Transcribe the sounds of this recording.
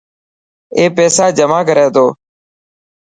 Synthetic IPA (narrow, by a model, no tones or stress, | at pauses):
eːpɛːsaːd͡ʒəmaːkəɾeːt̪oː